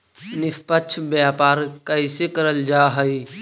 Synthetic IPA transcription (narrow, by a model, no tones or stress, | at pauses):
nɪspət͡ʃʰbjaːpaːɾkəɪsekəɾəld͡ʒaːɦəi